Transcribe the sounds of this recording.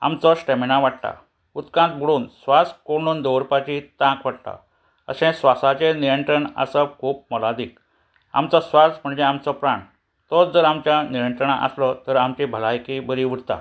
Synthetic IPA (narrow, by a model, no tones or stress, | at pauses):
a̰mt͡sɔɕʈeminaʋaʈt̪a̰ | ut̪kãnt̪̚bʱuɽuːnsʋaskoɽ̃uːnd̪owɾpat͡ɕit̪ãkʋaɽt̪a̰ | ə̰sẽsʋasat͡ɕeniɾəɳt̪ɾəɳə̰səkʰuːp̚mɔlad̪iːk | a̰mt͡sɔsʋasm̤əɳd͡ʑeamt͡sɔpɾaɳ | t̪ɔt͡sd͡zəɾamt͡ɕjaniɾənt̪ɾəɳaʔə̰slɔt̪əɾamt͡ɕibʱəlajkibəɾiʋuɽt̪a̰